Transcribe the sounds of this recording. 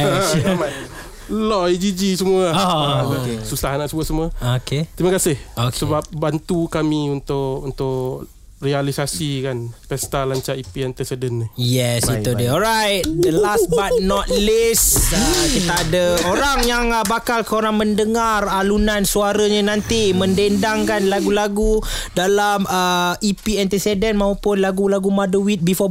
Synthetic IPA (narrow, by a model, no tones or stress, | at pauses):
ama | lɔid͡ʒid͡ʒisəmua | esusaɦnaʔsəbuəsəmuaoket̪ɾimakasɪhoksəbap̚bant̪ukamiunt̪ʊʔunt̪ʊʔ | rialisasikanpɛst̪alaɲt͡ʃaʔipiɛnt̪ɛsədənːɪjɛsit̪udeɔlɾajt̪̚d̪əlasbat̚nɔt̪̚lisəkit̪aːdəoɾaŋjaŋəbakalkəoɾaŋməndəŋaralunansuaɾəɲənãnt̪imə̃ndendaŋkanlaɡulaɡudalaməipiɛnt̪esɛdənmãupʊnlaɡulaɡumadəwit̪̚bifɔ